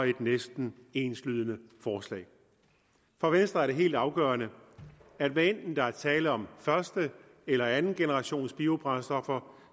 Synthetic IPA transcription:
e̝d̥nesd̥n̩e̝ːnslyð̞ˠənəfɒːslɛ̰ːɪ | fɒʋensd̥ʁɐæɐɾ̥e̝ɦe̝̰ːld̥ɑ̈ʊɡ̥ɶ̰ːɐnə | æd̥ʋæen̰d̥n̩d̥ɑ̈æɐt͡sʰɛːləɒ̽mfɶɐsd̥ə | elɐænn̩ɡ̥e̝nəʁɑ̈ɕo̝̰ːnsb̥io̝b̥ʁɑ̈nsd̥ɒ̽fɐ

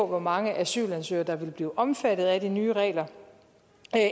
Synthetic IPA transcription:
ɔʋɒmɑ̈ŋəʔæsy̰ːlænsø̰ːɐd̥ɑ̈ʋe̝lb̥liːʔɒ̽mfæd̥ð̞̩ˠæd̥inyːəʁɛ̰ːlɐ

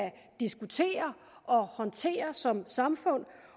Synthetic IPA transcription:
æ | d̥isɡ̥ut͡sʰe̝̰ːɐ | ʔɒ̽hɒ̽nt͡sʰe̝̰ːɐsɒ̽msɑ̈mfɔ̽n̰

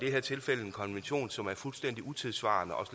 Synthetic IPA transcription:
d̥eɦeɐ̰t͡sʰe̝lfel̰əe̝nkʰɒ̽nʋenɕo̝̰ːnsɒ̽mæɐfulsd̥en̰d̥iʔut͡sʰe̝ðˠsʋɑ̰̈ːnəʔɒ̽s

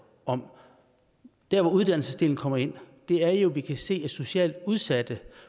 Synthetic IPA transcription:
ɒ̽m | d̥æɐʋɒuð̞ˠd̥æn̰l̩səsd̥e̝ːln̩kʰɒ̽m̰ɐe̝n̰d̥e̝æɐjo̝ʋikʰæse̝̰ːe̥so̝ɕɛ̰ːld̥uð̞ˠsæd̥ə

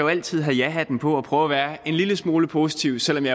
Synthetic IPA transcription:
joæl̰t͡sʰið̞̰ˠɦæjæɦæd̥empʰɒ̽ɒ̽pʰʁœːʊɐʋæːɐe̝nliləsmo̝ːləpʰo̝ːsi̥t͡sʰiʊsel̰ɒ̽mjɑ̈ɪ

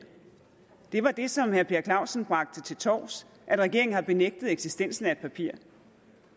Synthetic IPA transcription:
d̥e̝ʋɑ̈d̥e̝sɒ̽mhæɐpʰe̝ɐkʰlɑ̈ʊ̰sn̩b̥ʁɑ̈ɡ̥̚d̥ət͡sʰe̝lt͡sʰɒ̰ːs | ʔæd̥ʁɛɡ̥e̝ɐ̰eŋ̩hɑ̈b̥e̝neɡ̥̚d̥ð̞̩ˠeɡ̥sisd̥en̰sn̩æe̝d̥̚pʰæpʰiɐ̰

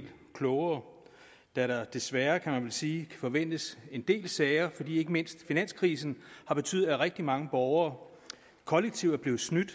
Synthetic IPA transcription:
lkʰlɔʊɐː | d̥æɾ̥ɑd̥e̝sʋæɐkʰæmænʋelsiːkʰæ̥fɒ̽ʋen̰d̥əse̝nd̥e̝̰ːlsɛɪɐfɒ̽d̥ḭːe̝ɡ̥əme̝n̰sd̥finæn̰skʰʁiːs̬n̩hɑ̈b̥e̝t͡sʰy̰ð̩ˠæʁɛɡ̥̚d̥imɑ̈ŋəb̥ɒʊɐː | kʰɒ̽leɡ̥̚t͡sʰiʊdæɐb̥le̝ːð̩ˠsnyd̥

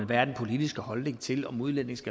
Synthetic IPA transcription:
nʋæɐd̥n̩pʰo̝lid̥isɡ̥əhɒ̽lne̝ŋt͡sʰe̝lɒ̽muð̞ˠlen̰e̝ŋsɡ̥æ

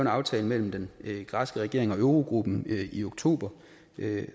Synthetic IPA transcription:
ʊnɑ̈ʊt͡sʰɛːləmel̰m̩d̥enɡ̥ʁɑ̈sɡ̥əʁɛɡ̥e̝ɐ̰e̝ŋɒ̽øʊʁo̝ɡ̥ʁub̥n̩io̝ɡ̥t͡sʰo̝̰ːb̥ɐ

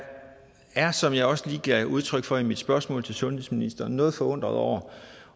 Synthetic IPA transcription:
æɐsɒ̽mjɑ̈ɪɒ̽sliːɡ̥ʰæʔuð̞ˠt͡sʰʁœɡ̥fɒ̽imid̥sb̥ɶɐsmɔ̰̽ːlt͡sʰe̝lsɔ̽nhesminisd̥ɐnɔ̽ːð̞̩ˠfɒ̽ɔ̽n̰d̥ʁɐðˠɒʊ̰ɐ

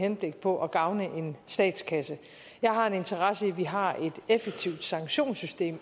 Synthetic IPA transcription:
henb̥le̝ɡ̥̚pʰɒ̽ʔɒɡ̥ɑ̈ʊnəʔe̝nsd̥ɛ̰ːd̥skʰæsə | jɑ̈ɪɦɑ̈e̝ne̝nt͡sʰɐʁɑsəiʋiɦɑ̈e̝d̥efeɡ̥̚t͡sʰiʊd̥sɑ̈ŋɕo̝̰ːnsysd̥e̝̰ːm

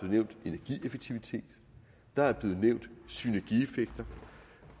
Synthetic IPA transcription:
ð̩ˠneʊ̰nd̥e̝næɐɡ̥ḭefeɡ̥t͡sʰiʋit͡sʰe̝̰ːd̥ | d̥ɑ̈æɐb̥le̝ːð̩ˠneʊ̰nd̥synæɐɡ̥iefeɡ̥̚d̥ɐ

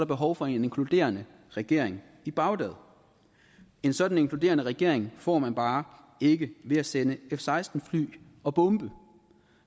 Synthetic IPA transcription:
ɾɑ̈b̥e̝ɦɒʊfɒ̽e̝ne̝nkʰlud̥e̝̰ːɐnə | ʁɛɡ̥e̝ɐ̰e̝ŋ | ib̥ɑ̈ʊd̥ɛðˠ | e̝nsɒ̽d̥n̩e̝ŋklud̥e̝̰ːɐnəʁɛɡ̥e̝ɐ̰e̝ŋfɒ̰ːmænb̥ɑ̈ː | e̝ɡ̥əʋe̝æsenəefsɑ̈ɪsd̥n̩fly̰ː | ɒ̽b̥ɔmb̥ə

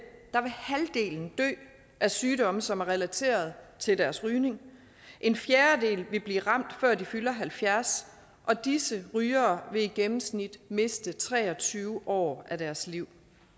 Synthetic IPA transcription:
d̥ɑ̈ʋe̝hæld̥e̝̰ːln̩d̥ø̰ː | ʔæsyːɾɒ̽məsɒ̽mæɐʁɛlæt͡sʰe̝̰ːɐð̞̩ˠt͡sʰe̝ld̥æɐsʁyːne̝ŋ | ʔe̝nfjeːɐd̥e̝̰ːlʋe̝b̥liːʁɑ̈m̰d̥fɶɐ̰difylɐɦælfjæɐs | ʔɒ̽d̥isəʁyːɐːʋe̝iɡ̥emm̩snid̥me̝sd̥ət͡sʰʁɛ̰ːɒ̽t͡sʰyːʊʔɒ̰ːæd̥æɐsliʊ̰

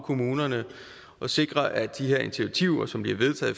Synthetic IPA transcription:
kʰo̝muːnɐnə | ʔɒ̽se̝ɡ̥ʁɐʔæd̥iɦe̝ɐe̝nt͡sʰiʋit͡sʰiʊ̰ɐsɒ̽mb̥liɐʋe̝ð̞ˠt͡sʰɛ̰ːð̩ˠ

